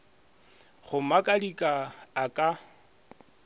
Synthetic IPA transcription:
χʊmakʼadikʼaːkʼa

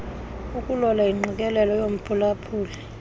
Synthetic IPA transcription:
ukʼulɔlaiŋ͡ǃʱik̬ʼɛlɛlɔjom̩pʰulapʰuːlɛ

